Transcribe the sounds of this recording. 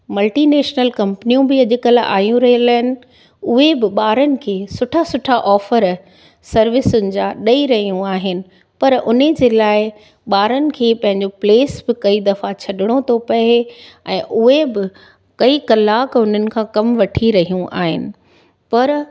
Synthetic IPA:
mɐlʈineːʃnəlkɐ̃mpnijũbɪɐʄʊkəla̰ːjũɾɐɦiəlaːɦɪnɪ̆ | ʊɦebɪɓaːɾənɪ̆kʰeːsʊʈʰasʊʈʰaʔɔːfəɾ | sɐɾʋɪsʊnɪ̆d͡ʑaːɗɐiɾɐɦijũaːɦɪnɪ̆ | pɐɾʊnə̆d͡ʑeːlaːɪ | ɓaːɾənɪ̆kʰeːpɐ̃ɦɪ̃ɲd͡ʑopleːsbɪkɐid̪ɐfat͡ɕʰɐɗɪɽ̃ot̪ʰopɐeɛ̃ːʔʊɦebɪ | kɐikɐlaːkʊn̤ənɪ̆kʰãːkɐmʋɐʈʰiɾɐɦijũʔa̰ːɦɪ̰nɪ̆ | pɐɾ

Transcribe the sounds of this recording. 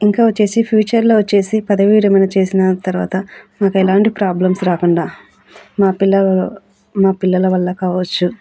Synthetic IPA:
iŋkaːʋɐt͡ʃːe̞ːsipʰjuːt͡ʃɐɾloːʋɐt͡ʃːe̞ːsipɐd̪ɐʋiːɾɐmɐjnɐt͡ʃe̞ːsinɐt̪ɐɾuʋa̰ːt̪ɐmaːkɛlaːɳʈipɾaːblɐmsɾaːkuɳɖaː | maːpilːɐ | maːpilːɐlɐʋɐlːɐkaːʋɐt͡ʃːu

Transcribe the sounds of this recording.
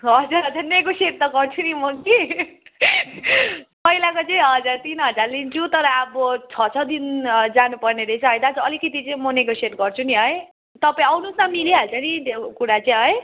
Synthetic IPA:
ɦʌd͡zuɾɦʌd͡zarneɡoseʈt̪ʌɡʌrt͡sʰunimʌki | pʌɦilakot͡sʌĩɦʌd͡zart̪inɦʌd͡zarlint͡sʰut̪ʌɾʌabʌt͡sʰʌt͡sʰʌd̪ind͡zanupʌrneɾet͡sʰʌɦʌjd̪ad͡zʌlikʌt̪̬it͡sʌĩmʌneɡoseʈɡʌrt͡sʰuniɦʌj | t̪ʌpaĩʌwnusamiliɦalt͡sʰʌnit̪okuɽat͡saĩɦʌj

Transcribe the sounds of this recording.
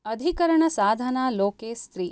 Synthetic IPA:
ɐd̪ʱikɐɾɐɳɐsaːd̪ʱɐnaːloːkeːst̪ɾiː

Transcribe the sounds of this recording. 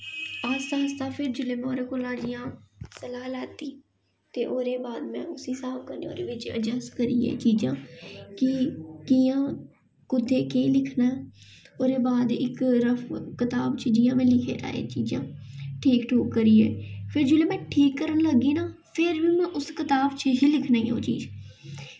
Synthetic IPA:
aːst̪aːst̪ãːpʰɪɾd͡ʒʊleːmɛ̃ːoːɾeːkoːlãːɽɪjãːsəlaːlɛːt̪iː | t̪eːʔoːɾeːbaːd̪mɛ̰̃ːʊsɪsaːpʰkəɾneːo̰ːɾeːʋɪt͡ʃə̰d͡ʒəskəɾiːɛ̰ːt͡ʃiːd͡ʒãːkɪkijãː | kʊd̪eːkeːlɪkʰnaː | oːɾeːbaːd̪ɪkɾəpʰkɪt̪aːbt͡ʃəd͡ʒiːjãːmɛ̃ːlɪkʰḛːɾa̰ːḛːt͡ʃiːd͡ʒã̰ːʈʰiːkʈʰuːkːəɾiːɛ̰ːpʰɪɾd͡ʒoːleːmɛ̃ːʈʰiːkːəɾənləɡiːnaː | pʰɪɾʋiːmɛ̃ːʔʊskɪt̪aːbt͡ʃəɦiːlɪkʰnaːiːo̰ːt͡ʃḭːd͡ʒ

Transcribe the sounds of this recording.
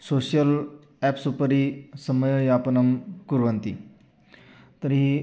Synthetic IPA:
soɕjəl | ɛpsupəɾisəməjəjapɐnɐmkuɾʋənt̪ḭ | t̪əɾi

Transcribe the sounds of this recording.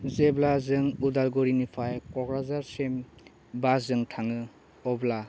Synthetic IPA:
zeblazɯŋudalɡɔɾinipʰajkɔɡɾazaɾsem | baszɯŋtʰaŋɯ | ɔbla

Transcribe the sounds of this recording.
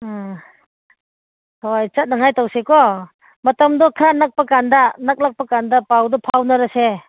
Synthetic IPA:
hɔjt͡ʃɐt̚naŋajtawsekɔ | mɐtɐmdɔkʰanak̚pakandanak̚lak̚pakandapawdɔpʰawnɐɾase

